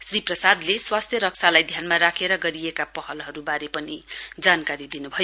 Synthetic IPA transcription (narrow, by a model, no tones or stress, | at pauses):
sriprʌsad̪leswast̪ʰjʌɾʌk̚sʰalajd̪ʱjanmaɾakʰeɾʌɡʌɾijekapʌɦʌlɦʌɾubaɾepʌnid͡zankaɾid̪inubʱʌjo